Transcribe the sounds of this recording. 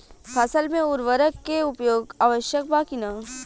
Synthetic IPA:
pʰɐsəlmẽʊɾʋəɾəkːeʊpjoːɡaːʋəʃjək̚baːkina

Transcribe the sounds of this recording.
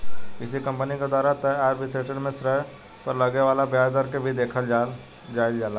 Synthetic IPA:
ɪsikə̃mpəniked̪waːɾat̪əaːɾbiseʈəɽmẽsɾəɦ | pəɾləɡeʋaːlabjad̪əɾkebʱid̪eːkʰəl | d͡ʒaːild͡ʒaːla

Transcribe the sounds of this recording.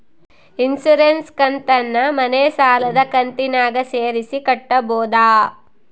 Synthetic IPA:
insuɾenskɐnt̪ɐnːɐmɐneːsaːlɐd̪ɐkɐnt̪inaːɡɐseːɾisikɐʈːɐboːd̪aː

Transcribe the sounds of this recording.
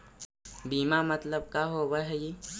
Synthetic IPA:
biːmamət̪ləb̚kaɦobəɦɛji

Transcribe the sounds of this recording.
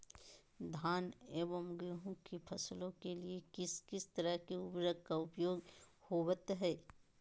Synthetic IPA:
d̪ʱaːneːbəmɡeɦũkepʰɐslõkeliekɪskɪst̪əɾəɦkeʊbɾəɡkaʊpjoːɡhoːwət̪ɦɛː

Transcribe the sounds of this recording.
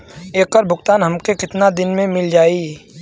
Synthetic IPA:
eːkːəɾbʱʊkt̪aːnɦɐmkekɪt̪nad̪ɪnmẽmɪld͡ʒaːi

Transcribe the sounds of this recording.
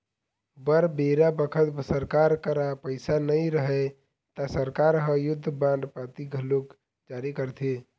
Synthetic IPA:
bəɾbeɾabəkʰət̪səɾkaɾkəɾapəɪsanəjɾəɦɛ | t̪asəɾkaɾɦəjʊd̪ʱːəbãnd̪pat̪iɡʱəluk | d͡ʒaɾikəɾt̪ʰe

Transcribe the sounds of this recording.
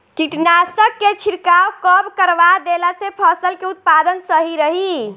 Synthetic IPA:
kiʈnasəkːet͡ʃʰiɾkawkəbkəɾʋad̪elasepʰəsəlkeut̪̚pad̪ənsəɦiɾəɦi

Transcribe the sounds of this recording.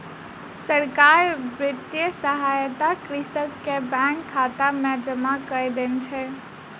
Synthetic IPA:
səɾkaɾbɾit̪jəsəɦajt̪akɾisəkːebɛ̃ŋkʰːat̪amed͡ʒəmakəjd̪ent͡ʃʰɛ

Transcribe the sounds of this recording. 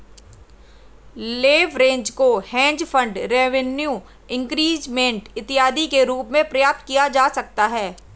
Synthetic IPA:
leːʋɾẽːɲd͡ʒkohɛ̃ːɲd͡ʒfʰə̃ɳɖɾeːʋenjuː | ɪ̃ŋkɾiːd͡ʒmẽɳʈɪt̪ɪjaːd̪ikeɾuːpmẽpɾɐjaːp̚t̪̚kijad͡ʒaːsɐk̚t̪aɦɛː

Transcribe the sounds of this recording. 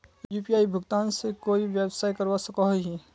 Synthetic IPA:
jupijaːibʱʊɡt̪aːnsekoːiʋjeːbsaːikɐɾʋasɐkaɦɦi

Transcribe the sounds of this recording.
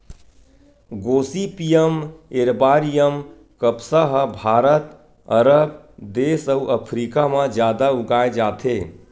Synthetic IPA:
ɡoːsipijəmeɾbaːɾijəm | kəpsaɦəbʱaːɾət̪ | əɾəb | d̪eːsəuʔəpʰɾiːkamãd͡ʒjaːd̪aʊɡaːed͡ʒaːt̪ʰe

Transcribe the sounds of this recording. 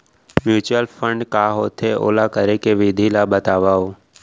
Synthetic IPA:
mjuːt͡ʃʊəlpʰə̃ɳɖkaːɦoːt̪ʰeʔo̰ːlakəɾekeʋɪd̪ʱilabət̪aːʋaːo

